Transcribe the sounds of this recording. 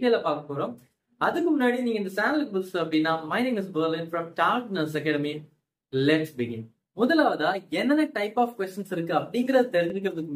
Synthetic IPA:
ʈɐjɐlɐpaːɾkɐpoːɾõːm | ɐðɯkːɯmʊnːaːɽiniːŋɡɐɪnd̪ɐsaːnlɐkɐbɪlsɐpːɽinːaːmɐɪnɪŋɐs̬bɐɾlinfɾɐmʈaːɾknɐls̬ɐkɛːɽɐmi | lɛʈsbɪɡɪn | mʊðɐlaːʋɐðaːɛnːɐnɐʈɐɪpːaːfkʋɛst͡ʃɐnsɪɾɯkːɯɐpːɐɽɪŋɡɪɾɐðɯt̪ɛɾɪɲd͡ʒɯk̬ːɪɾɐðɯkː

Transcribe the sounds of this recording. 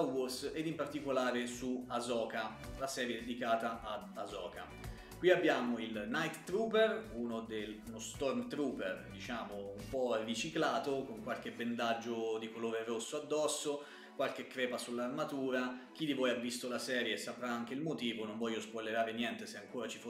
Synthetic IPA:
worsed̪impart̪ikolaːɾesuazɔːka | lasɛːɾjed̪ed̪ikaːt̪aʔːd̪azɔːka | kwiabːjaːmoilnajt̪t̪ɾuːperunod̪elnost̪ɔrmt̪ɾuːperd̪it͡ʃaːmoumpɔrːit͡ʃiklaːt̪okoŋkwalkebend̪ad͡ʒːod̪ikoloːɾerosːoad̪ːɔsːo | kwalk̟ekːɾɛːpasulːarmat̪uːɾak̟id̪ivɔːjavːist̪olasɛːɾjesapɾaaŋk̟eilmot̪iːvonõɱvɔʎːospolːeɾaːɾenjɛnt̪eseaŋkoːɾat͡ʃi̥fo

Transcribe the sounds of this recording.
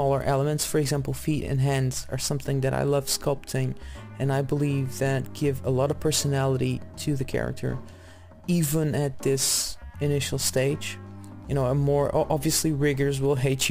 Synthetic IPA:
ɔlˠə˞ʔɛlˠəmɨ̃ntsfə˞ɨɡzæ̃mpl̩ˠfiɾɨ̰̃nɦæ̃ndz̥ə̰˞sʌ̃mθɪ̃ŋðɨɾa̰ɪlʌv̥skʌlˠp̚tʰɪ̃ŋ | ɨ̃naɪbəlivðɨt̚ɡ̥ɪvə̰lɔɾʌv̥pʰɜ˞sɨnælˠəɾiɾɨðɨkʰɛ̰ɹɨ̰k̚tʰə̰˞ | ivə̃nɨt̪̚ðɪsɨnɪʃl̩ˠsteɪd̥d͡ʒ | jɨñoʊəmɔɹʔɑbviɨsliɹɪɡə˞zwɪlˠɦeɪt͡ʃ

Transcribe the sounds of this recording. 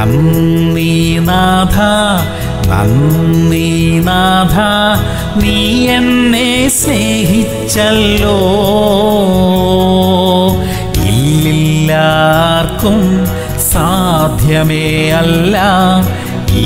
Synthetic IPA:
ɐnːinad̪ʱa | nɐ̰nninaːd̪ʱa | niːenːeseɦit͡ɕːɐlːo | ḭllːilːarkːum | saːd̪ʱjɐmeɐlːaːm | i

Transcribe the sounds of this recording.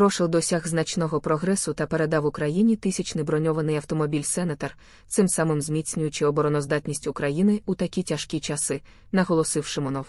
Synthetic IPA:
pɾɔʃɪwd̪ɔsʲaɣznɐt͡ʃnɔɦɔpɾɔɦɾɛsʊt̪ɐpe̞ɾed̪ɑwʊkɾɐjinʲit̪ɪsʲɐt͡ʃnɪbɾɔnʲɔʋɐnɪjɐwt̪ɔmɔbʲilʲsɛnɐt̪ɐr | t̪sɪmsɑmɪmzmʲit͡sʲnʲʊjʊt͡ʃɪɔbɔɾɔnɔzd̪ɑt̪ʲnʲisʲtʲʊkɾɐjinɪut̪ɐkʲitʲɐʃkʲit͡ʃɐsɪ | nɐɦɔlˠɔsɪwʃɪmɔnɔw

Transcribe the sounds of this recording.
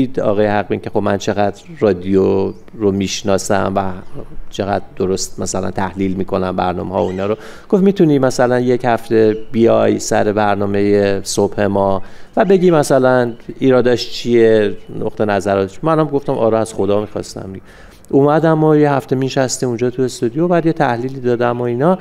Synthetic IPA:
d̪ɒ̰ːɣɒːjehæɣbincʰe̞xo̞bmænt͡ʃʰe̞ɣæd̪ | rɒːd̪ijo | ɾomiːʃnɒːsæ̰mvæt͡ʃʰe̞ɣæ̰d̪d̪o̞ɾost̪̚mæsælæ̰nt̪ʰæhliːlmiːkʰo̞næmbæ̰ɾnɒ̰ːmehɒːoiːnɒːɾo | ɡ̥ofmit̪ʰuniːmæsælænjechæft̪e̞bijɒjsæ̰ɾe̞bæɾnɒːme̞jesob̥he̞mɒvæbe̞ɟʲiːmæsælæniːɾɒːd̪ɒʃt͡ʃʰieno̰ʁt̪ʰe̞næzæɾɒːt̪ʰeʃmænɒmɡo̞ft̪æmʔɒ̰ːɾɔæz̥xo̞d̪ɒːmiːxɒ̰st̪æ̰mdiɡe | ʔumæd̪æmojehæft̪e̞miʃæst̪iund͡ʒɒːt̪ʰue̞st̪ud̪ijobæːd̪jet̪ʰæhliːliːd̪ɒːd̪æmoiːnɒ

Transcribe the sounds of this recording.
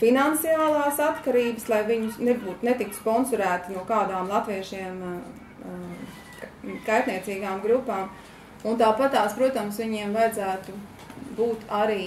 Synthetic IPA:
finant̪siaːlˠaːsat̪kaɾiːbəslˠajviɲʊnebuːt̪net̪ik̪spɔnsɔɾæːt̪nuɔkaːd̪aːmlˠat̪ʋiɛʃiɛm | kajt̪niɛt̪siːɡaːmɡɾupːaːm | unt̪aːpat̪aːspɾuɔt̪amsʋiɲiɛmvajd̪zæːt̪u | buːt̪ʰaɾiː

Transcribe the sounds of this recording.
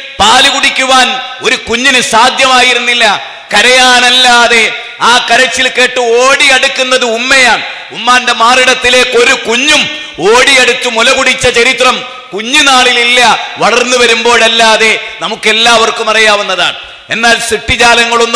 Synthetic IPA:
paːliɣuɽikʲːuʋaːno̞ɾukuɲːinɨsaːd̪ʱjɐmaːjiɾunːilːɐ | kɐɾɐjaːnɐlːaɐðe̞ | aːkɐɾɐt͡ɕːilke̞ːʈːɨoːɽiɐɽukːunːɐðɨumːejaːɳ | umːaːnde̞maːriɽɐt̪ːile̞ːkːo̞ɾukuɲːum | oːɽiɐɽut̪ːumulɐɣuɽit͡ɕːɐt͡ɕɐɾit̪rɐm | kuɲːunaːɭililːɐʋɐɭɐrnːuʋɐɾumbo̞ːɭɐlːaːðe̞nɐmukːe̞lːaːʋɐrkumɐrɐjaːʋunːɐða̰ːɳɨ | e̞nːaːlsiʈːid͡ʑaːlɐŋːɐɭonː

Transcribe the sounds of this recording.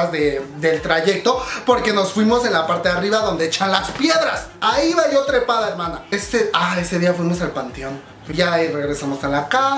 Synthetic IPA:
zðe̞ðe̞lt̪ɾaʝe̞k̚t̪o̞po̞ɾke̞no̞sfwimo̞se̞nlapaɾt̪e̞ðariβaðo̞nd̪e̞et͡ʃanlaspje̞ðɾasaiβajot̪ɾepaðaeɾmãnaest̪eae̞se̞ðiafwimo̞salpant̪eo̞n | ʝare̞ɣɾe̞samo̞salaka

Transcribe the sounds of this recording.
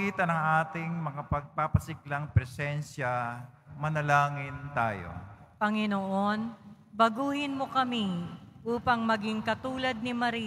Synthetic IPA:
iːt̪ɐnɐŋaːt̪ɪŋmɐŋapɐɡ̚papɐsɪk̚laŋpɾɛsɛnʃjamɐnɐlaːŋɪnt̪a̰ːjo̰pɐŋɪnoʔon | bɐɡuːhɪnmokɐmiʔuːpɐŋmɐɡɪŋkɐt̪uːlɐd̪̚nɪmɐɾi

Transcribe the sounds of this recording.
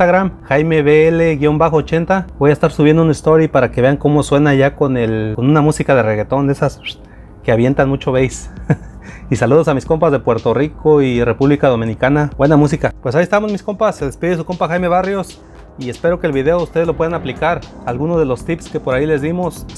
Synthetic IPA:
aɣɾamxajmeβeeleɣjo̞mbaxoːt͡ʃe̞nt̪abo̞jaest̪aɾsuβjend̪ounist̪o̞ɾipaɾakeβeaŋko̞mo̞swe̞naʝako̞nelkonunamusikaðereɣe̞t̪o̞nd̪e̞sas | keaβje̞nt̪anmut͡ʃo̞βejs | isaluð̞osamisko̞mpazðe̞pwe̞ɾt̪o̞rikʰoire̞puβlikaðo̞mĩnikanabwe̞namus̬ikapwes̬aiest̪amozmisko̞mpaseðespiðes̬uko̞mpaxajme̞βarjo̞s | iespe̞ɾo̞keːlβiðe̞oust̪eðzlo̞pwe̞ðanaplikaɾalɣuno̞zðe̞lo̞st̪ipske̞po̞ɾaile̞zðimo̞s

